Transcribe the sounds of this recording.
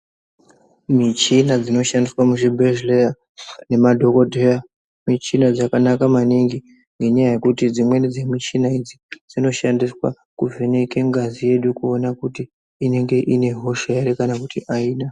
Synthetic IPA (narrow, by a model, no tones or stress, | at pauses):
mit͡ʃinad͡zino̞ʃandiswamuʐibʱeʒleja | ne̞madʱo̞ko̞dʱeja | mit͡ʃinad͡zakanakamaniŋɡi | ŋɡe̞ɲajaje̞kutid͡zimwe̞nid͡zemit͡ʃinaid͡zid͡zino̞ʃandiswa̰ | kuvene̞ke̞ŋɡazije̞ɗukuo̞nakutiː | ne̞ŋɡe̞ʔine̞ɦoʃaeɾekanakutiʔaiːna